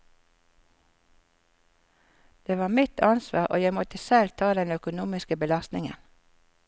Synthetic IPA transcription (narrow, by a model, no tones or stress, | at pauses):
d̪̥eːʋɑːmɪt̪ʰɑnsʋɑ̰ːʁʔo̰ːjæɪmɔt̪əsɛlt̪ʰɑːd̪ɛnœkʊnuːmɪskəbəlɑst̪nɪŋə̰n